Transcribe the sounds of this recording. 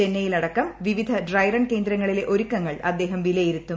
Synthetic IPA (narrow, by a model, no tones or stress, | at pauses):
enːɐjilɐɽɐkːɐmʋiʋid̪ʱɐɖrɐjrɐnke̞ːnd̪ɾɐŋːɐɭile̞ʔo̞ɾukːɐŋːɐɭɐd̪ːe̞ːɦɐmʋilɐjiɾut̪ːu